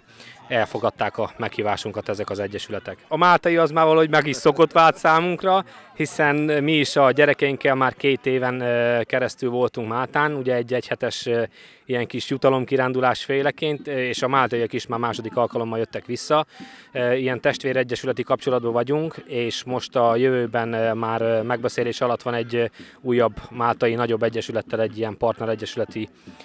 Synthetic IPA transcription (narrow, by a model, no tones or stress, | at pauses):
ɛlfo̞ɡɒt̪ːaːkɒmɛkhiːvaːʃuŋkɒt̪ɛzɛkɒzɛɟːɛʃylɛt̪ɛkɒmaːlt̪ɒjiɒzmaːrvɒlːɦoɟmɛɡiʃso̞ko̞t̪ʋaːlt̪saːmuŋkrɒhisɛnmiːʃɒɟɛɾɛkɛjiŋkɛlmaːrkeːt̪eːvɛnkɛɾɛst̪ylvo̞lt̪uŋkmaːlt̪aːnuɟɛɛɟːɛchɛt̪ɛʃ | ijɛŋkiʃjut̪ɒlo̞mkiɾaːnd̪ulaːʃfeːlɛkeːnt̪eːʃɒmaːlt̪ɒiɒkiʃmaːrmaːʃo̞d̪ikɒlkɒlo̞mːɒljøt̪ːɛkʋisːɒ | ijɛnt̪ɛʃt̪ʋeːɾɛɟːɛʃylɛt̪ikɒp̚t͡ʃo̞lɒd̪bɒvɒɟuŋkeːʃmo̞ʃt̪ɒjøvøːbɛnmaːrmɛɡ̚bɛseːleːʃɒlɒt̪ːʋɒnɛɟː | uːjːɒbːmaːlt̪ɒjinɒɟo̞bːɛɟːɛʃylɛt̪ːɛlɛɟːijɛmpɒrt̪nɛɾɛɟːɛʃylɛt̪i